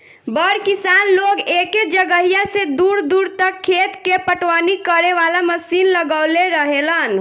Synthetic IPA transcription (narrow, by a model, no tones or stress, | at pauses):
bəɾkisanloɡeked͡ʒəɡəɦijased̪uɾd̪uɾt̪əkʰːet̪kepəʈʋanikəɾeʋalaməsinləɡəwleɾəɦelən